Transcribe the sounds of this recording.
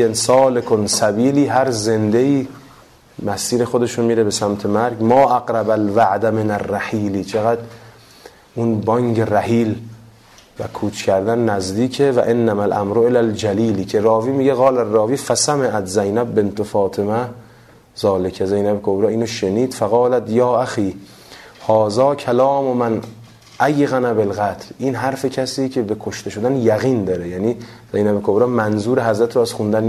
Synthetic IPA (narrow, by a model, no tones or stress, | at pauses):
ensɒːlekʰonsæbiːliːɦæɾze̞nd̪e̞iː | mæsiːɾe̞xod̪e̞ʃomiːɾe̞be̞sæmt̪ʰe̞mæɾɡmɒːʔaɡɾæbælvæʕd̪æmenærːæhiːliːt͡ʃʰeɣæd̪ | ʔunbɒːŋɡeræhiːl | væ̰kʰuːt͡ʃʰkʰæɾd̪ænːæzd̪iːkʰevæ̰ʔenːæmælʔæ̰mɾoelæld͡ʒæliːlicʰe̞ɾɒːviːmiːɟeɣɑːlærːɒːviːfæsæmeʔæt̪zæjnæb̚be̞nt̪ofɒːt̪ʰemæ | z̥ɒːlekʰæzejnæbekʰobɾɑːiːnoʃeniːd̪̥fæɣɒːlæt̪jɒːʔæxiː | hɒːzɑːkʰælɒːmomæn | ʔæjɣænæbelɣæt̪ʰlʔiːnɦæɾfecʰæsiːcʰe̞be̞kʰoʃt̪e̞ʃod̪ænjæɣiːnd̪ɒːɾejæːniː | z̥ejnæbekʰobɾɑːmænzuːɾeɦæzɾæt̪ɾoæz̥xund̪æn